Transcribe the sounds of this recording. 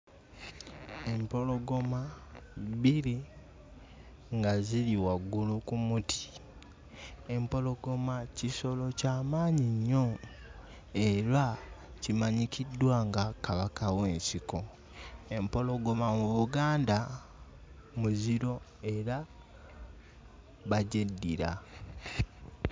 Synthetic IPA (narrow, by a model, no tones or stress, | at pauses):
e̞mpo̞lo̞ɡo̞ma | βili | ŋɡaziliwaɡːulukumutʰi̥ | e̞mpo̞lo̞ɡo̞maciso̞lo̞caːmaːɲiɲːo̞ | eɾacimaɲikʰidwaŋɡakaβakawe̞ːnsiko̞ | e̞mpo̞lo̞ɡo̞mamuβuɡaːnda | muziɾo̞ | e̞ɾa | βaɟedːiɾa̰